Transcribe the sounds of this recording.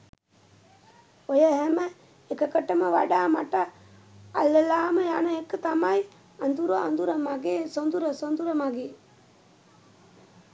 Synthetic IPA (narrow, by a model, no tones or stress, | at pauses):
ojəɦæmə | ekəkəʈəməʋa̰ɖaːma̰ʈə | a̰lːəlaːməjanəekːət̪amaj | and̪uɾua̰nd̪uɾəmaɡeːsond̪uɾəsond̪uɾəmaɡeː